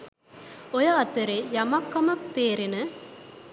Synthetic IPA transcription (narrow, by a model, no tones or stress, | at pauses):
ɔjɐɐt̪ːɐɾejɐmɐkːɐmɐkt̪eːɾenɐ